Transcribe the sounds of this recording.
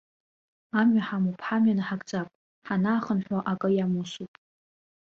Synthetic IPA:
amɥaħamupʰħamɥanɨħaɡʼd͡zʼapʼ | ħanaːχənħʷaʔakʼɨjamusupʼ

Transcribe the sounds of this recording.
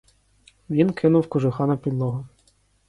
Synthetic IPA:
ʋʲinkʰɪnʊwkʊʒʊxɑnɐpʲid̪lˠɔɦʊ

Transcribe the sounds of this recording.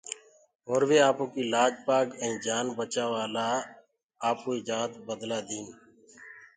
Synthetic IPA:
ɦoːɾʋeːaːpõːkiːlaːd͡ʒpaːkɛ̃ĩːd͡ʒaːnbət͡ʃaːʋaːlaː | aːpoːiːd͡ʒaːt̪bəd̪laːd̪iːn

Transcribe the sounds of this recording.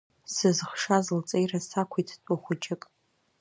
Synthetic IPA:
sɨzχʂazɨlt͡sʼejrasakʷʰejtʰtʷʼʊχʷʊd͡ʒʼɪkʼ

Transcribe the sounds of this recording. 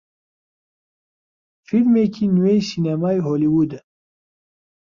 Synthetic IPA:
filmeːkʰiːnuwejsiːnamaːjɦoːliwud̪ə

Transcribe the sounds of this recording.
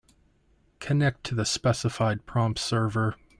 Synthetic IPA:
kʰɨnɛk̚tʰɨðɨspɛsəfaɪd̚pʰɹ̥ɑ̃mpsɜ˞və˞

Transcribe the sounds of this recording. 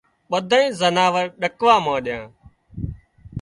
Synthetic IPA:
ɓəd̪ʱaːĩːzənaːʋəɾɗəkʋaːmãːɗɪjãː

